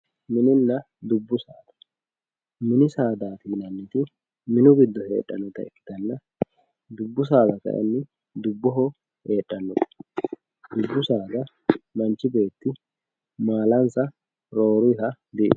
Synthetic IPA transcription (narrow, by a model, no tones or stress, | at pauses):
mɪnɪnːɐ | d̪ʊbːʊsa̰ːd̪ɐ̥ | mɪnɪsaːd̪aːt̪iːnɐnːɪt̪ɪ | mɪnʊɡɪd̪ːɔhe̞̰ːᶑːɐ̰nʊt̪ɐɪkt̪ːɐnːɐ | d̪ʊbːʊs̬aːɡ̪ɐkɐ̰ʔɛ̰nːɪ | d̪ʊbːʊɦɔ | he̞ːᶑːɐnːʊt̪ɐ̥ | d̪ʊbːʊsaːɡ̪ɐ | mɐnt͡ʃɪbe̞ːt̪ːɪ | maːlɐnsɐ | ɾo̞ːɾihɐ | d̪ɪʔ